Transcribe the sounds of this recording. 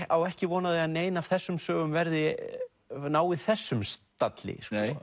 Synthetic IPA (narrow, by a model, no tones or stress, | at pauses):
awɛhcɪvɔːnaðɪaðneːjnav̥θɛsːʏmsœːɣʏmvɛɾðɪ | naːwɪðθɛsːʏmst̪at̪lɪ̰skɔ